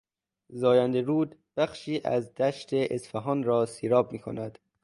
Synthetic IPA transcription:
zɒːjænd̪eɾuːd̪b̥æχʃiːʔæ̰zd̪æʃt̪ʰeʔesfæɦɒːnɾɒːsiːɾɒːb̚miːkʰonæd̪̥

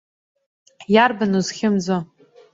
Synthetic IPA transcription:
jarbanuzχʲɪmd͡zo

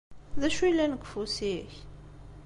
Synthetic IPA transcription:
ðæʃuilænəɡfusiç

